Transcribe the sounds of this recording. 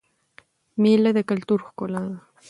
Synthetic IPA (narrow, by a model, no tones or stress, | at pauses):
milad̪akalt̪ʊɾχkʊla